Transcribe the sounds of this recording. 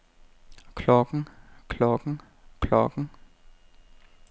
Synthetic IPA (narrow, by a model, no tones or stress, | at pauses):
kʰlɔːɡŋ̩kʰlɔːɡŋ̩ | kʰlɔ̰ːɡŋ̩